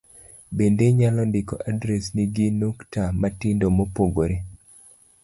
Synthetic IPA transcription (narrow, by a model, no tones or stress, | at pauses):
bendeɲalɔndɪkɔʔadɾɛsniɡinuktamatɪndomopoɡoɾe